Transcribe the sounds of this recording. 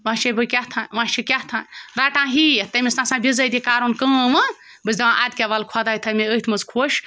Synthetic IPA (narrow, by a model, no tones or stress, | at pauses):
ʋãːʃebɨkʲaɦt̪ʰãːʋãʃikʲaht̪ʰãɾaːʈãːɦit̪ɐmʲisnãsãːbʲizɐd̪ʲikaːɾonkəːʋɐ | bɨzʲd̪ɐʋãʔaːd̪kʲaʋaːlkʰwad̪aːjt̪ʰɐmʲeəit̪ʰmɐzkʰoːʃ